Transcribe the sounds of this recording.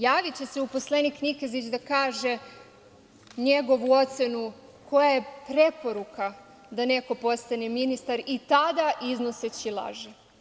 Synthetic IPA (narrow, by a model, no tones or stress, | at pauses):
jaːʋit͡ɕe̞se̞upo̞sle̞niknikezit͡ɕd̪akaːʒe̞ | ɲe̞ɡo̞ʋuo̞t̪se̞nu | ko̞jaje̞pɾe̞po̞ɾuka | d̪ane̞ko̞po̞st̪aneminist̪aɾit̪ad̪aʔiznoset͡ɕilˠa̰ʒe